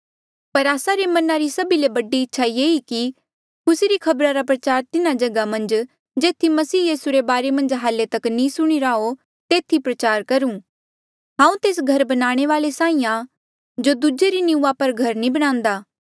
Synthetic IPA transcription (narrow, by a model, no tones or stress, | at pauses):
pɐɾaːsaɾemɐnaɾisɐbilebɐɖiɪtːʃʰajeːiki | kʊseɾikʰɐbɾaɾapɾɐt͡ʃaːɾt̪ɪnad͡ʒɐɡamɐ̃nd͡ʒ | d͡ʒeːt̪ʰimɐsiːjiːsuɾebaːɾemɐ̃nd͡ʒɦaːlːet̪ɐknĩsʊɽ̃iɾao | t̪eːt̪ʰipɾɐt͡ʃaːɾkɐɾũː | ɦãːũt̪eːs̬ɡʱɐɾbɐnaːɽ̃eʋaːlesãːĩːjã | d͡ʒod̪ud͡ʒeɾinɪũːapɐɾɡʱɐɾnĩbɐɽ̃ãːnd̪aː